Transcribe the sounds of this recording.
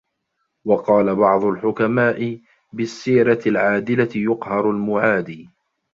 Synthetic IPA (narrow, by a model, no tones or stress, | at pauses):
wɑqɑːlabɑʕd̪ˤʊlħʊkamaːʔɪ | bɪsːiːɾatɪlʕaːd̪ɪlajʊqhɑɾˤʊlmʊʕaːd̪iː